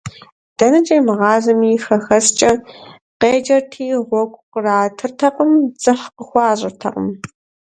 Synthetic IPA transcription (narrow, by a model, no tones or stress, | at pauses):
d̥ɐnɐt͡ʃʼɐmʁɑːzɐmiːxɐxɐst͡ʃʼɐ | qeːd͡ʒɐrtʰiːʁʷɔkʷʼqəraːtʰɨrtʰɐqʼəmd͡zɨħqəxʷɑːɕʼɪrtʰɐ̰qə̰m